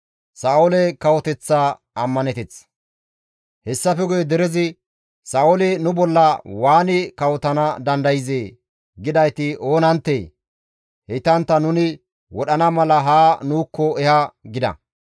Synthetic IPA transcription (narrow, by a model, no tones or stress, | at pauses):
saːʊlɛkɐwɔt̪ɛt͡sːaː | ɐmːɐnɛt̪ɛt͡s | hɛsːɐfɛɡʊjɛd̪ɛɾɛzɪ | saːɔlɛnʊbɔlːɐwaːnɪkɐwɔt̪ɐnɐd̪ɐnd̪ɐjzeː | ɡɪd̪ɐjt̪ɪʔo̞ːnɐnt̪ːeː | hɛt̪ɐnt̪ːɐnʊnɪ | wɔɗɐnɐmɐlɐɦaːnuːkːɔɛhɐɡɪd̪ɐ̰